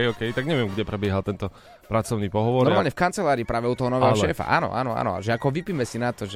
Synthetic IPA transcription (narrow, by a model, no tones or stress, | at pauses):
ɔkɛjt̪aɡɲɛʋɪɛmɡɟɛpɾɛbɪɛɦalt̪ɛnt̪ɔ | pɾat͡sɔʊniːpɔɦɔʋɔnɾɔɾmaːlɲɛfkant͡sɛlaːɾiːpɾaːʋɛut̪ɔɦɔnɔʋɛːɦɔʃɛːfa̰ʔa̰ːnɔ̰ʔa̰nɔ̰a̰nɔ̰a̰ʒɛakɔʋipimɛsinat̪ɔʒɛ